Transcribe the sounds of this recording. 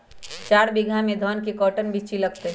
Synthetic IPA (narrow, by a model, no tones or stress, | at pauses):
t͡ʃaːɾbɪɡʱãmẽd̪ʱɔːnkikɔːʈənbʱit͡ʃilɐɡt̪e